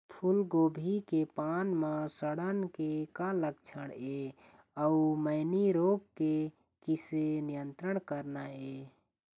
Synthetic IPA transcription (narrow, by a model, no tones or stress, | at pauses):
pʰulɡobʱikepanmasəɽənkekaləkt͡ʃʰəɽe | əuməɪniɾop̚ke | kisenijənt̪ɾəɳ̃kəɾnae